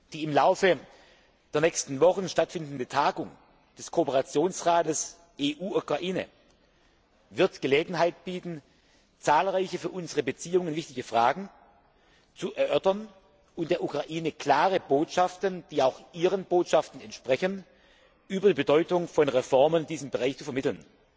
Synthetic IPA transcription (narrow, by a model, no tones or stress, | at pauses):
d̥iːɪmlaʊfə | d̥eːɐnɛçstn̩vɔχn̩ʃtatfɪndn̩dətʰaːɡʊŋ | d̥ɛskʰoːpəʁat͡sjoːnsʁaːtəs | ʔeːʔuːukʁ̥aʔiːnə̰ | vɪɐtɡ̥əleːɡŋ̩ɦaɪt̚b̥iːtn̩ | t͡saːlʁaɪçəfyːɐʔʊnzəʁəbət͡siːʊŋənvɪçtɪɡəfʁ̥aːɡŋ̩ | t͡suʔɛɐʔœɐtɐn | ʔʊnt̚d̥eːɐʔukʁ̥aʔiːnəkl̥aːʁəboːtʃaftənd̥iːaʊxʔiːʁənboːtʃaftn̩ɛntʃpʁ̥ɛçən | ʔyːbɐdiːbədɔʏtʊŋfɔnʁɛfɔɐməndiːzəmbəʁaɪçt͡sufɛɐmɪtl̩n